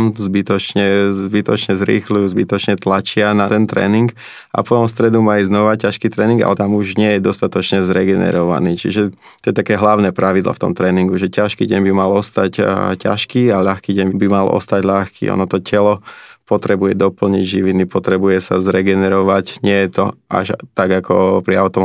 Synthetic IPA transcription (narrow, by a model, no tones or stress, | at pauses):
mzbit̪ɔt͡ʃɲɛzbit̪ɔt͡ʃɲɛzɾḭːxlujuzbit̪ɔt͡ʃɲɛt̪lat͡ʃɪanat̪ɛnt̪ɾɛ̰ːniŋɡ | ʔa̰pɔt̪ɔmst̪ɾɛd̪umaiznɔʋacaʃkiːt̪ɾɛːniŋɡa̰lɛt̪amuʒɲɪɛjɛd̪ɔst̪at̪ɔt͡ʃɲɛzɾɛɡɛnɛ̰ɾɔʋa̰niːt͡ʃḭʒɛ | t̪ɔjɛt̪akɛːɦlaʊnɛːpɾaʋid̪lɔ̰ft̪ɔ̰mt̪ɾɛːniŋɡuʒɛcaʃkiːɟɛɲbimalɔst̪acca̰ʃkiːaʎaxkiːɟɛɲbibimalʔɔ̰st̪aɟʎaxkḭːɔ̰nɔt̪ɔcʰɛlɔpɔt̪ɾɛbujɛd̪ɔpl̩ɲiɟʒiʋinipɔt̪ɾɛbujɛsa̰zɾɛɡɛnɛɾɔʋacɲɪɛjɛt̪ɔʔa̰ʒt̪aɡakɔ̰pɾiaʊt̪ɔm